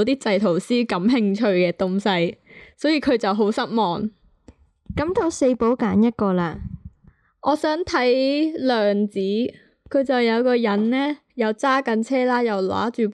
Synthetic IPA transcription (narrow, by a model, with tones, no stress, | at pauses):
wt̪iː˥t͡sɐ˧jt̪ʰo˨˩wsiː˥kɐ˨˥mɦɪ˧ŋt͡ʃʰɵ˧ɥkɛː˧t̪ʊ˧ŋsɐ˧jsɔː˨˥jiː˨˧kʰɵ˨˧ɥt͡sɐ˨wɦo˨˥wsɐ˥t̚mɔː˨ŋ | kɐ˨˥mt̪o˧wse˧jpo˨˥wkaː˨˥njɐ˥t̚kɔː˧laː˧ | ɔː˨˧sœː˨˥ŋt̪ʰɐ˨˥jlœː˨ŋt͡siː˨˥ | kʰɵ˨˧ɥt͡sɐ˨wjɐ˨˧wkɔː˧jɐ˨˥nlɛː˥ | jɐ˨˧wt͡saː˥kɐ˨˧nt͡sʰɛː˥laː˥jɐ˨˩wla̰ː˨˥t͡ʃyː˨p